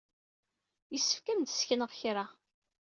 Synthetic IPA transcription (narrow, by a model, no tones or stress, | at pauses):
jəsːə̥fkæmd̪ə̥sçənəʁçɾa